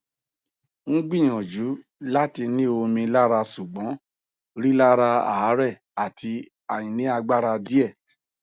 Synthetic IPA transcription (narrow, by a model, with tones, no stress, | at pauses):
ŋ̩˦ɡ͡bĩ˦˨j̃ɔ̃˨d͡ʒu˨˦la˦ti˧nĩ˦o˧mĩ˧la˦ɾa˧su˨ɡ͡bɔ̃˨˦ | ɾi˦la˦ɾa˧a̰˨a˨˦ɾɛ˦˨ | a˨ti˧ | a˨jĩ˨nĩ˨˦a˧ɡ͡ba˦ɾa˧di˦ɛ˦˨